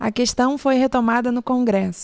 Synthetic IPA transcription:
ɐ̰keʃt̪ɐ̃w̃fojɦet̪omad̪ɐnʊkõɡɾɛsʊ̥

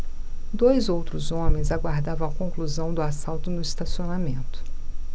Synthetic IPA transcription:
d̪ojzowt̪ɾʊzõmẽj̃zaɡwaɾd̪avɐ̃w̃ɐkõkluzɐ̃w̃d̪ʊasawt̪ʊnʊist̪asionamẽnt̪ʊ̥

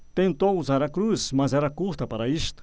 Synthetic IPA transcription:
t̪ẽnt̪owuzaɾɐkɾusmɐzɛɾɐkuɾt̪ɐpaɾɐist̪ɐ̥

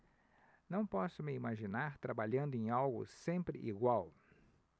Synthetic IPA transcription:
nɐ̃w̃pɔsʊmɪimaʒinaɾt̪ɾabaʎɐ̃nd̪ʊẽj̃awɡʊ̰sẽmpɾɪ̰ʔiɡwaw

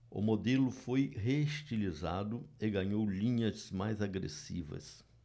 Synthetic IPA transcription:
ʊ̰mod̪elʊfojɦeʃt͡ʃilizad̪ʊɪɡɐ̃ɲowlĩɲɐzmajzaɡɾḛsḭvɐ̰s

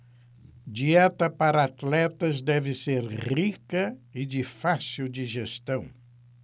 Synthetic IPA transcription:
d͡ʒiɛt̪ɐpaɾɐat̪lɛt̪ɐzd̪ɛvɪseɾʁikɐɪd͡ʒɪfasiwd͡ʒɪʒest̪ɐ̃w̃

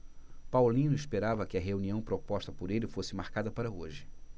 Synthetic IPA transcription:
pawlĩnʊispeɾavɐkɪɐɦeuniɐ̃w̃pɾopɔʃt̪ɐpʊɾelɪfosɪmaɾkad̪ɐpaɾɐoʒɪ

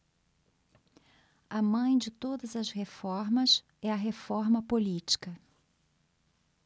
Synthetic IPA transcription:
ɐmɐ̃j̃d͡ʒɪt̪od̪ɐzɐshefɔɾmɐs | ɛɐɦefɔɾmɐpolit͡ʃi̥kɐ

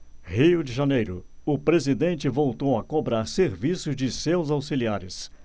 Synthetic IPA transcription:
hijʊd͡ʒɪʒanejɾʊʊpɾezid̪ẽnt͡ʃɪvowt̪owɐkobɾaɾseɾvisʊzd͡ʒɪsewzawsiliaɾɪs

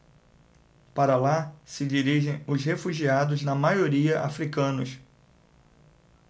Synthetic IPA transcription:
paɾɐlasɪd͡ʒiɾiʒẽj̃ʊzhefuʒiad̪ʊznɐmajoɾiɐʔa̰fɾikɐ̃nʊs

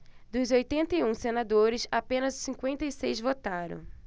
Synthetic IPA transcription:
d̪ʊzojt̪ẽnt̪ɐiũsenad̪oɾɪsapẽnɐzsĩŋkwẽnt̪ɐisejzvot̪aɾɐ̰̃w̃

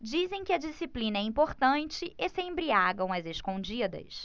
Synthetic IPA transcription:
d͡ʒizẽj̃kɪɐd͡ʒisiplĩnɐɛĩpoɾt̪ɐ̃nt͡ʃɪʔesẽj̃bɾiaɡɐ̃w̃ɐzeskõd͡ʒid̪ɐ̰s

